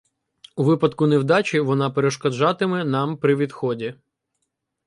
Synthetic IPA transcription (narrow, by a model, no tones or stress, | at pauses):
uʋɪpɐd̪kʊnewd̪ɑt͡ʃʲiʋɔnɑpeɾeʃkɔd͡ʒɑt̪ɪmɛnɑmpɾɪʋʲid̪xɔdʲi